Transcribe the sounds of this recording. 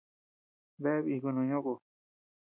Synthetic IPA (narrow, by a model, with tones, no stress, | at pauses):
βe˦βi˧˨ku˧nũ˧ɲõ˦ko˨